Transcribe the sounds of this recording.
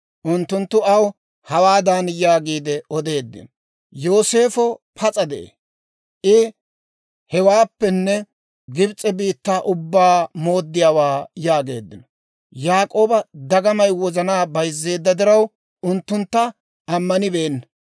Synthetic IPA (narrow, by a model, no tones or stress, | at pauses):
ʔʊnt̪ːʊnt̪ːʊɐw | hɐwaːd̪ɐnjaːɡiːd̪ɛɔd̪e̞ːd̪ːɪ̰nɔ | jo̞ːse̞ːfɔpʰɐt͡sʼɐd̪ɛʔḛː | ʔɪ | hɛwaːpːɛnːɛ | ɡɪbt͡sʼɛbiːt̪ːaːʔʊbːaːmo̞ːd̪ːɪjaːwaːjaːɡe̞ːd̪ːɪnɔ | jaːkʼo̞ːbɐd̪ɐɡɐmɐjwɔzɐnaːbɐjzːe̞ːd̪ːɐd̪ɪɾɐw | ʔʊnt̪ːʊnt̪ːɐ | ʔɐmːɐnɪbeːnːɐ